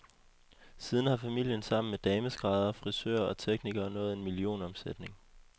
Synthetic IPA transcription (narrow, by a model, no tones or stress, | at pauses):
siːðˠn̩hɑ̈fæmil̰jənsɑ̈m̰n̩med̥ɛːməsɡ̥ʁɑ̈ðˠɐfʁisø̰ɐɒ̽t͡sʰeɡ̥̚niɡ̥ɐːnɔ̽ːð̩ˠe̝nmilio̝̰ːnɒ̽msed̥ne̝ŋ